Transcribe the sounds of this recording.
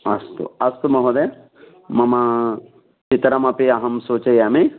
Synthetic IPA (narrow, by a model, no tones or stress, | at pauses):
ɐst̪ṵɐst̪umɐɦud̪e | mɐmɐ | t͡ʃit̪ɾɐmɐpiɐɦɐmsoːt͡ʃɐjɐːmi